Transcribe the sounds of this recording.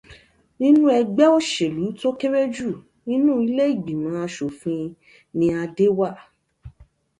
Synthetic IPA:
nĩ˦nũ˦ɛ˧ɡ͡bɛ˦o˦ʃe˨lu˨˦to˦ke˦ɾe˦d͡ʒu˦˨ | nĩ˦nũ˦i˧le˦i˦˨ɡ͡bi˨mã˨˦a˧ʃo˨fĩ˧ | nĩ˧a˧de˦wa˦˨

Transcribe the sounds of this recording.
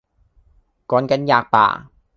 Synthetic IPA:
kɔː˨˥nkɐ˨˥njaː˧k̚pa̰ː˨˩

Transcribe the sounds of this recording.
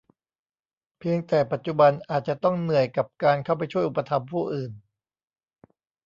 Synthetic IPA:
pʰi˧əŋt̪ɛː˨˩pa˨˩t̪̚t͡ɕu˨˩ba˧nʔaː˨˩t̪̚t͡ɕa˨˩t̪ɔ˥˩ŋnɯ˨˩əjka˨˩p̚kaː˧nkʰa˥˩wp̬a˧jt͡ɕʰu˥˩əjʔu˨˩pːa˧t̪ʰa˧mpʰuː˥˩ʔɯː˨˩n

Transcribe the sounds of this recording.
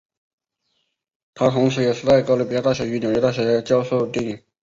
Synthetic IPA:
t̪ʰa˥t̪ʰʊ˧˥ŋʂ̬ɻ̩˧˥jɛ˨˩ʂɻ̩˥˧˩t͡s̪a˥˩ɪkɑ˥˩lə˥pi˥˩ja˥t̪a˥˩ɕɥɛ˧˥y˧˥njo˨˩ɥɛ˧˥a˥˩ɕɥɛ˧˥t͡ɕjɑ˥ʊʂo˥˧ʊt̪i˥˩ŋi˨˩˦ŋ

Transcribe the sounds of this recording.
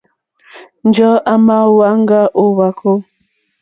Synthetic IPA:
n̩˦d͡ʒɔ˦a˦ma˦wa˨˦ŋ˦ɡa˦ʔo˦wa˨kʰo˦

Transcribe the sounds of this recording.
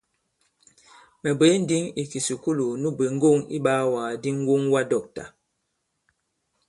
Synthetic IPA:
mɛ˨be˨˦n̩˦di˦ŋi˨ki˨su˨ku˦lu˨nu˦be˨ŋ̩˦ɡo˦˨ŋḭ˦ɓa˦waː˨di˦ŋ̩˦wu˦ŋwa˦dɔ˨k̚ta̰˨

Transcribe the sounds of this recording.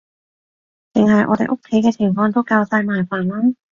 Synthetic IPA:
t͡sɪ˨ŋhɐ˨jʔɔ̰ː˨˧t̪e˨jʔo˥kʰːe˨˥jkɛː˧pʰɪ˨˩ŋfɔː˧ŋt̪̬o˥wkaː˧wsaː˧jmaː˨˩jfaː˨˩nlaː˥

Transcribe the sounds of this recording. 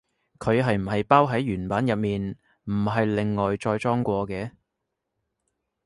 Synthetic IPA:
kʰɵ˨˧ɥɦɐ˨jm̩˨˩ɦɐ˨jpaː˥wɦɐ˨˥jɥyː˨˩npaː˨˥njɐ˨p̚miː˨n | m̩˨˩ɦɐ˨jlɪ˨ŋːɔː˨jt͡ʃɔː˧jt͡ʃɔː˥ŋkʷɔː˧kɛː˧

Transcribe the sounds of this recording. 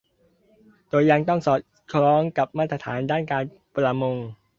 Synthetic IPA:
d̪oː˧ja˧ŋt̪ɔ˥˩ŋsɔː˨˩t̪̚ | kʰɾɔː˦˥ŋka˨˩p̚maː˥˩t̪ɾa˧t̪ʰaː˩˦ndaː˥˩nkaː˧n | pɾa˧mo˧ŋ

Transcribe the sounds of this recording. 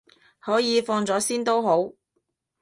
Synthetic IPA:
hɔː˨˥jiː˨˧fɔː˧ŋt͡sɔː˨˥siː˥nt̪o˥wɦo˨˥w

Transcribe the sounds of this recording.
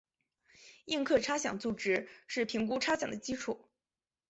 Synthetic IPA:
i˥˧ŋkʰɤ˥˩ʈ͡ʂʰa˥ɕjɑ˨˩ŋt͡su˨˩ʈ͡ʂɻ̩˥ʂɻ̩˥˩pʰi˧˥ŋku˥ʈ͡ʂʰa˥ɕjɑ˨˩ŋd̪ə˦t͡ɕi˥ʈ͡ʂʰu˨˩˦

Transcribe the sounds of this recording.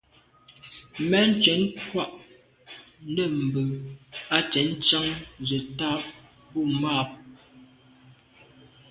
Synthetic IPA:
mɛ˦n̩˦t͡ʃɛ˨˦nkwa˦˨ʔ | n̩˦də˦˨m̩˨bə˨a˦t͡ʃɛ˨˦n˦t͡ʃa˦ŋzə˨ta˦p̚ | bu˦˨maː˦˨p̚

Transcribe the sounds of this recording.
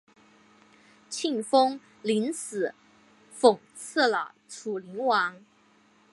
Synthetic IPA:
t͡ɕʰi˥˩ŋfo˥ŋ | li˧˥nsɹ̩˨˩˦ | fʊ˨˩ŋ | t͡s̩ʰ˥˩lə˨˩ʈ͡ʂʰu˨˩li˧˥ŋwɑ˧˥ŋ

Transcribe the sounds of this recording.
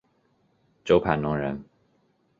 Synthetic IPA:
ʈ͡ʂo˥ʊpʰa˨˩nnʊ˧˥ŋɻə˧˦n

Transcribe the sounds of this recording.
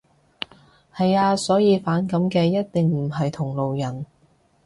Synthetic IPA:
hɐ˨jaː˧sɔː˨˥jiː˨˧faː˨˥nkɐ˨˥mkɛː˧jɐ˥t̚t̪ɪ˨ŋm̩˨˩ɦɐ˨jt̪ʰʊ˨˩ŋlo˨wjɐ˨˩n

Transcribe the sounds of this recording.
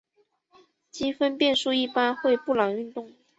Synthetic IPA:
t͡ɕi˥nfə˥npjɛ˥˧nʂu˥˧i˥˩pa˥nxwe˥˧ɪpu˥˩lɑ˨˩ŋy˥˧nt̪ʊ˥˩ŋ

